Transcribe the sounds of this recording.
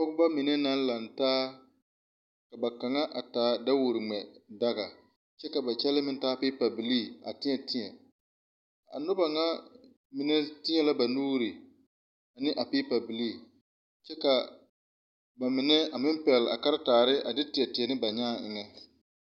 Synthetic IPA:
pɔ˦ɡʊ˦ba˦mɪ˨nɛ˦na˦n̩˦la˨n˨taː˦ | ka˨ba˨ka˨ŋa˦ʔa˨taː˨˦da˦wʊ˨ɾɪ˨ŋ͡mɛ˨da˦ɡa˨ | t͡ʃɛ˦ka˨ba˨t͡ʃɛ˦lɪ˦mɪ˦n˦taː˦pi˦pa˨bɪ˨liː˦˨a̰˨tɪ˦ɲɛ˨tɪ˦ɲɛ˨ | a̰˨nʊ˦ba˨ŋa˦ | mɪ˨nɛ˦tɪ˦ɲɛ˨la˦ba˨nuː˦ɾɪ˨ | a˨nɪ˦ʔa˨pi˦pa˨bɪ˨liː˦˨ | t͡ʃɛ˦ka˨ | ba˨mɪ˨nɛ˦a˨mɪ˦m˦pɛ˨lɪ˨a̰˨ka˦ɾɪ˦taː˨ɾɪ˦ʔa˨dɪ˦tɪ˨ɛ˨tɪ˨ɛ˨nɪ˦ba˨ɲaː˦ɪ˨ŋɛ˦

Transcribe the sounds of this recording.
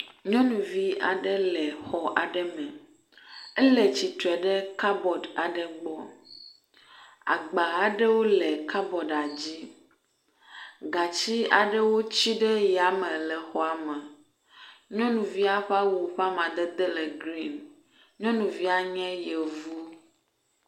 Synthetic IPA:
ɲɔ̃˦nũ˨vi˦a̰˨ɖɛ˦lɛ˨xɔ˨ʔa̰˨ɖɛ˦mɛ̃˨ | ɛ˦lɛ˨t͡ɕi˨t̪ɛ˨ɖɛ˦ka˦bɔ˨da˨ɖɛ˨ɡ͡bɔ˦ | a̰˨ɡ͡ba˨a˨ɖɛ˦wo˦lɛ˨ka˦bɔ˨ɖa˨d͡ʑi˦ | ɡa˨t͡ɕi˦a̰˨ɖɛ˦wo˦t͡ɕi˦ɖɛ˦ja˨mɛ̃˨lɛ˨xɔ˨a˨mɛ˨ | ɲɔ̃˦nũ˨vi˦a˦ɸa˦wo˨ɸa˦mã˨d̪ɛ˦d̪ɛ˦lɛ˨ɡɾi˦˨n | ɲɔ̃˦nũ˨vi˦a˨ɲɛ̃˦jɛ˨vu˦

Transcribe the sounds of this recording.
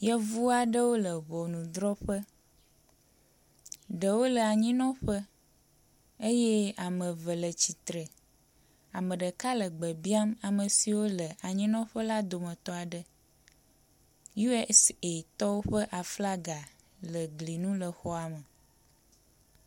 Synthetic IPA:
jɛ˦vu˦a˨ɖə˦wo˦lə˨βɔ˨nũ˨d̪ɾɔ˦ɸə˦ | ɖə˨wo˦lə˨a˨ɲĩ˦nɔ̃˦ɸə˦ | e˦jɛ˦a˨mə̃˨və˨lə˨t͡ɕi˨t̪ɾə˨ | a˨mə̃˨ɖə˨ka˦lə˨ɡ͡bə˨bi˦a˦ma˨mə̃˨si˨wo˦lə˨a˨ɲĩ˦nɔ̃˦ɸə˦la˦d̪o˨mə̃˨t̪ɔ˦a˨ɖə˨ | ju˦ɛ˦se˨t̪ɔ˦wo˦ɸə˦ʔa˨fla˦ɡa˨ | lə˨ɡli˨nũ˦lə˨xɔ˦a˨mə˨

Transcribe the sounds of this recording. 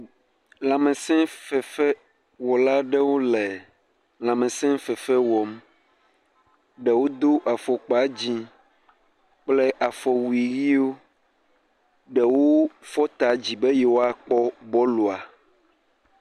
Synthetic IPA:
l̃ã˨mẽ˨sɛ̃˦fɛ˨fɛ˦ | wɔ˨la˦ɖɛ˦wo˦lɛ˨ | lã˨mɛ̃˨sɛ̃˦fɛ˨fɛ˦wɔ˨m | ɖɛ˨wo˦d̪o˦ʔa˨fɔ˨k͡pɔ˨a˨d͡ʑi˦ | k͡plɛ˦ʔa˨fɔ˨wu˨i˨ɣi˦o˦ | ɖɛ˨wo˦fɔ˦t̪a˨d͡ʑi˨be˦jɛ˨wo˦a˦k͡pɔ˦bɔ˦lo˨a˨

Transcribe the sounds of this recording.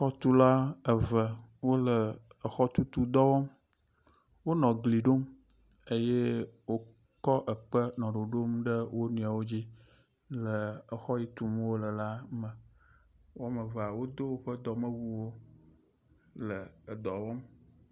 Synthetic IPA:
xɔ˦t̪u˦la˦ə˨və˨wo˦lə˨ə˨xɔ˦t̪u˦t̪u˦d̪ɔ˦wɔ˦m | wo˦nɔ̃˨ɡli˨ɖo˦m | e˦je˦wo˦ | kɔ˦ʔə˨k͡pə˦nɔ̃˨ɖo˨ɖo˦mɖə˦wo˦nũ˨a˨wo˦d͡ʑi˦ | lə˨ə˨xɔ˦ji˦t̪u˨m˦wo˦lə˨la˦mə̃˨ | wo˦a˦mə˨va˨wo˦d̪o˦wo˦ɸə˦d̪ɔ˨mə̃˦wu˦wo˦ | lə˨d̪ɔ˨wɔ˦m

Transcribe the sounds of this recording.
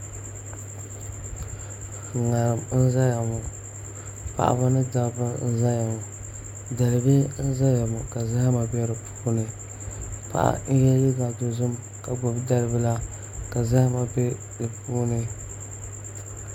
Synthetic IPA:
ŋa˨ɾɨ˨mn̩˦za˦ja˨mʊ˨ | pa̰˨ʔa̰˨ba˦nɨ˦da˨bɨ˦n̩˦za˦ja˨mʊ˨ | da˨lɨ˨be˦n̩˦za˦ja˨mʊ˨ka˨za˦ha˦ma˨bɛ˦ɾɨ˨pʰuː˦nɨ˨ | pa̰˨ʔa̰˨n̩˦jɛ˦jɪ˦ba˨do˨zʊ˦m | ka˨bɔ˨bda˦lɨ˦bɨ˦la˦ | ka˨za˦ha˦ma˨be˦ | dɨ˨puː˦nɨ˦

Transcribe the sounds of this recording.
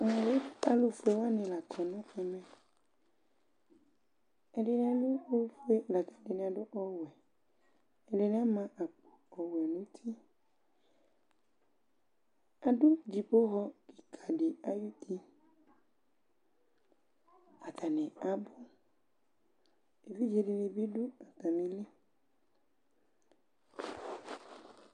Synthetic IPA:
ã˨le˦a˦lo˨fe˦wa˦nẽ˨la˨kʰɔ˨nɔ̃˦ɛ˨mɛ˨ | e˨ɖe˨ñ˦a˨lo˦o˦fe˦˨la˨ka˦de˨ñ˨a˨ɖo˦ʔɔ˦wɛ˨ | e˨le˨ñ˦a˦mã˦ʔa˨k͡po˨ɔ˨wɛ˨nũ˦t̪ʰi˦ | a˨dʊ˦d͡ʒi˨po˦ɦɔ˦ki̥˨kʰa˨dɪ˨a˦ju˦t̪ʰi˦ | a˨t̪ʰa˨nɪ̃˨a˨bʊ˦ | e˨vi˦d͡ʒe˨dɪ˨nɪ̃˨bi˦dʊ˦a˨ta˨nɪ̃˨lɪ˦

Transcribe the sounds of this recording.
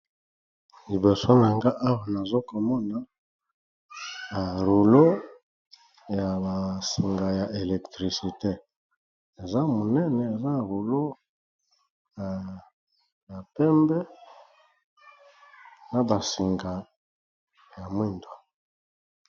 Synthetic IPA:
li˨bo˨so˦na˨ŋɡa˦ʔa˦wa˨na˨zo˦ko˨mɔ˦na˨ | a˨ɾu˨lo˦ | ja˨ba˨si˨ŋɡa˨ja˨ʔe˨lɛ˨ktʁi˨si˨te˦ | e˨za˦mo˨nɛ˦nɛ˨e˨za˦˨ʁu˨lo˦ | ja˨ | ba˨pɛ˦mbɛ˦ | na˨ba˨si˨ŋɡa˨ | ja˨mwi˦ndwa˨

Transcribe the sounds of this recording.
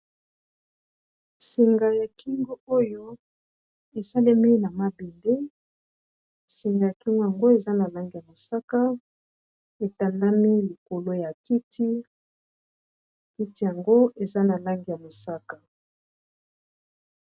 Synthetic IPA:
si˨ŋɡa˨ja˨kʰi˦ŋɡo˦o˦jo˦ | e˨sa˦le˦mi˦na˨ma˨bi˨nde˦ | si˨ŋɡa˨ja˨ki˦ŋɡo˦ja˨ŋɡo˦e˨za˦na˨la˦ŋɡi˨ja˨mo˨sa˦ka˦ | e˨ta˨nda˦mi˦li˨ko˨lo˦ja˨ki˦tʰi˦˨ | ki˦ti˦ja˨ŋɡo˦e˨za˦na˨la˦ŋɡi˨ja˨mo˨sa˦ka˨

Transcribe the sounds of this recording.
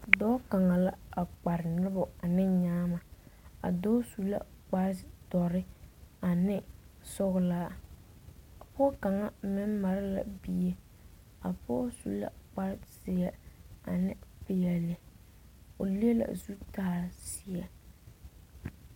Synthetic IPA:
dɔː˦ka˨ŋa˨la˦a˨k͡pa˨ɾɪ˨nʊ˦bʊ˨a˨nɪ˦ɲaː˦ma˨a̰˨dɔː˦su˨la̰˦ | k͡pa˦tɔ˨ɾɪ˦a˨nɪ˦ | sʊ˦ɣʊ˨˦laː˦ | a˨pɔ˦ka˨ŋa˦mɪ˦m˦ma˨ɾɪ˦la̰˨bi˦je˦ | a˨pɔ˦sṵ˨la̰˦k͡pa˦sɪ˦a˨a̰˨nɪ˦pɪ˦jɛ˨lɪ˦ | o˨li˦e˦la̰˨zu˦taː˦˨sɪ˨˦ɛ˨

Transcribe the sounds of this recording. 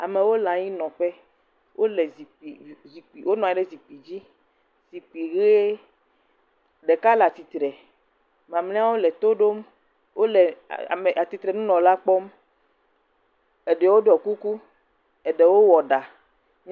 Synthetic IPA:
a̰˨mẽ˨wo˦lã˨ɲi˦nɔ̃˨ɸɛ˦ | wʔo˦lɛ˨zi˨k͡pi˨zi˨k͡pi˨wo˦nɔ̃˨ɛ˨˦ɖe˦zi˨k͡pi˨d͡ʑi˦ | zi˨k͡pi˨ɣe˦e˦ | ɖe˨ka˦la˨t̪i˨t̪ɾɛ˨ | mã˨mlĩ˦a˦wo˦lɛ˨t̪o˦ɖo˦m | wʔo˦lɛ˨a̰˨me˨ʔa˨t̪i˨t̪ɾɛ˨nũ˦nɔ̃˨la˦k͡pɔ˦m | e˨ɖɛ˨wo˦ɖɔ˨ku˦ku˦ | e˨ɖɛ˨wo˦wɔ˨ɖa˨

